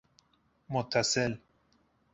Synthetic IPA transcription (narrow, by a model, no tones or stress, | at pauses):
mot̪ʰːasel